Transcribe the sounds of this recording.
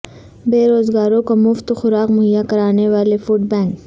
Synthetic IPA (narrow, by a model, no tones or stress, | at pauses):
beːɾoːzɡaːɾõkomʊft̪xʊɾaːqmʊɦɪjakɐɾaːneʋaːlefʊʈ̚bɛ̃ːŋk